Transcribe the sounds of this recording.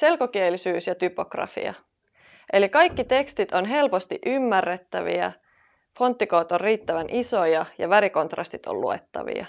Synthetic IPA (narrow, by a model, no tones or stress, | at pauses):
se̞lko̞kielisyːsjɑt̪ypo̞krɑ̰fḭɑ̰ | ʔe̞likɑjkːit̪e̞kst̪it̪o̞nɦe̞lpo̞st̪iʔymːærːet̪ːæʋḭæ̰ | fo̞nt̪ːikoːt̪orriːt̪ːæʋænʔiso̞jɑjɑ̰ʋæɾiko̞nt̪rɑ̰st̪it̪o̰lluḛt̪ːɑ̰ʋḭɑ̰